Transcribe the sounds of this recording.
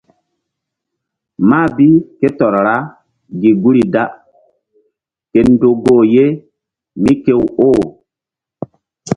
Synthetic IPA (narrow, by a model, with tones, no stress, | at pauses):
maː˦˨bi˦ke˦tɔ˨ɾɾa˦ | ɡi˨ɡu˦ɾi˨da˦ | ke˨n˦do˨ɡoː˨je˦ | mi˦ke˦woː˦